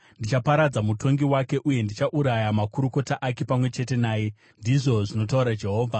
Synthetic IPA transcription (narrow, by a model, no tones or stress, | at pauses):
ndit͡ʃapaɾad͡zamuto̞ŋɡiwake̞ʔuje̞ndit͡ʃaʔuɾajamakuɾuko̞taʔake̞pamwe̞t͡ʃe̞te̞naːje̞ | ndiʐo̞ʐino̞tauɾad͡ʒe̞ɦo̞ːvʱa